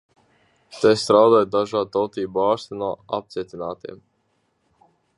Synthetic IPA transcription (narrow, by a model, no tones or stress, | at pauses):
t̪ɛst̪ɾawd̪aːjd̪aʒaːt̪ɔlt̪iːbuaːst̪inuɔa̰p̚t̪siɛt̪ʲinaːt̪ḭɛm